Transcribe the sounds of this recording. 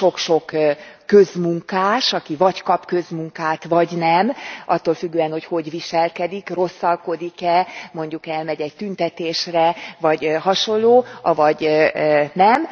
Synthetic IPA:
ʃo̞kʃo̞kː | ø̞zmuŋkaːʃɒkivɒckɒpkø̞zmuŋkaːt̪ʋɒɟnɛmʔɒt̪ːoːlfyɡːøːɛnho̞cho̞ɟviʃɛlkɛd̪ikro̞sːɒlko̞d̪ikɛmo̞ɲɟukɛlmɛɟɛct̪ynt̪ɛt̪eːʃrɛvɒɟhɒʃo̞nlloːɒvɒɟ | nɛm

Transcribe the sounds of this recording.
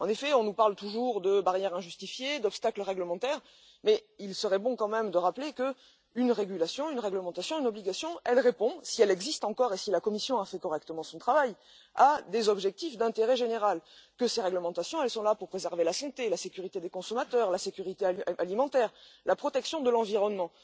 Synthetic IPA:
ɑ̃nefɛɔ̃nupaʁlt̪uʒuʁd̪əbaʁjɛʁɛ̃ʒyst̪ifjed̪ɔpst̪akləʁɛɡləmɑ̃t̪ɛʁ | mɛilsəʁɛbɔ̃kɑ̃mɛmd̪əʁaplekə | ynʁeɡʲylasjɔ̃ynʁɛɡləmɑ̃t̪asjɔ̃ynɔbliɡasjɔ̃ɛlʁepɔ̃siɛlɛɡzist̪ɑ̃kɔʁesilakɔmisjɔ̃afɛkɔʁɛkt̪əmɑ̃sɔ̃t̪χavaj | ad̪ezɔbʒɛk̚t̪ifd̪ɛ̃t̪eʁɛʒeneʁalkəseʁɛɡləmɑ̃t̪asjɔ̃ɛlsɔ̃lapuʁpχezɛʁvelasɑ̃t̪elasekʲyʁit̪ed̪ekɔ̃sɔmat̪œʁlasekʲyʁit̪eaaʔalimɑ̃t̪ɛʁlapχɔt̪ɛksjɔ̃d̪əlɑ̃viʁɔnmɑ̃

